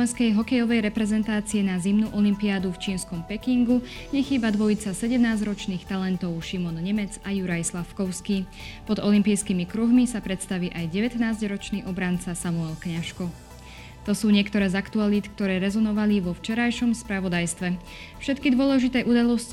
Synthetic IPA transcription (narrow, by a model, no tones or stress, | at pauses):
ɛnskɛjɦɔkɛjɔʋɛjɾɛpɾɛzɛnt̪aːt͡siɛnazimnuʔɔlimpiad̪uft͡ʃiːnskɔmpɛkiŋɡu | ɲɛxiːbad̪ʋɔjit͡sasɛɟɛmnaːzɾɔt͡ʃniːxt̪alɛnt̪ɔʊʃimɔnɲɛmɛd͡zajuɾajslafkɔʊskiː | pɔd̪ɔlimpiːjskimikɾuɦmisapɾɛt̪st̪aʋiːʔajɟɛʋɛt̪naːzɟɾɔt͡ʃniːʔɔbɾant͡sasamuɛlkɲaʃkɔ | t̪ɔsuːɲɪɛkt̪ɔɾɛːzakt̪ualiːt̪kt̪ɔɾɛːɾɛzɔnɔʋaliʋɔft͡ʃɛɾajʃɔmspɾaʋɔd̪ajst̪ʋɛ | fʃɛt̪kid̪ʋɔlɛʒit̪ɛːʔud̪alɔs